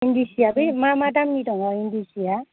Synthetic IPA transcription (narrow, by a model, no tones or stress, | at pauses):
indisijabɯjmamaʈamnitɔŋaind̪isija